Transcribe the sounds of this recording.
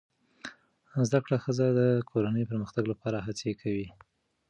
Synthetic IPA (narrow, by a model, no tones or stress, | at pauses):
zd̪akɽaxəzad̪əkʰoɾanəjopəɾməxt̪aɡlapɑɾaɦat͡sekʰawi